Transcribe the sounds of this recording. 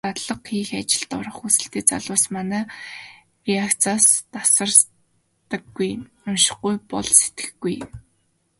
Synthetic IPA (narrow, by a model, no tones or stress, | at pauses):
at̪ɮə̆qxiːxat͡ɕɪ̆ɮt̪ɔɾə̆χusɘ̆ɬt̪eːt͡sa̰ɮʊːsmanæː | riakt͡sʰaːst̪asə̆r | t̪ə̆ɡːuj | ʊmʃɪ̥̆χɡujpɔɮse̥t̪ɡɘ̥̆xɡuj